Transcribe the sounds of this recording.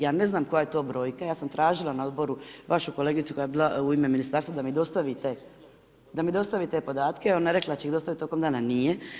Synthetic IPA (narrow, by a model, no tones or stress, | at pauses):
jaːne̞znaːmko̞jajet̪o̞ːbɾo̞ːjkajaːsamt̪ɾaːʒilˠanao̞d̪bo̞ɾuʋaʃuko̞leːɡit̪uko̞jajebiːlauime̞minist̪aːɾst̪ʋad̪amid̪o̞st̪aʋit̪e | d̪amid̪o̞st̪aʋit̪e̞po̞d̪aːt̪keonːeɾe̞klad̪at͡ɕeixd̪ost̪aʋit̪o̞komd̪aːnanije